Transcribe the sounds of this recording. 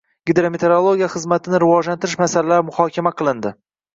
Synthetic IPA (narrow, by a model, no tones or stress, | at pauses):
ɡ̥ʲɪd̪ɾomet̪ʰeɾolˠo̞ɡʲijaχɨzmat̪ʰɪnɪɾɪvɒd͡ʒlant̪ɪɾɪʃmasalalaɾɪmʊhɒkʲʰamaqʰɨlˠɪnd̪ɪ